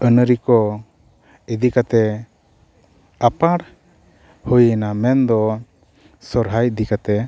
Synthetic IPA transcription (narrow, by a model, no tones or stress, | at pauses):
ənəɾikɔ | id̪ikat̪ɛ | apaɽ | hujənamɛnd̪ɔ | sɔɾɦaj̚d̪ikat̪ɛ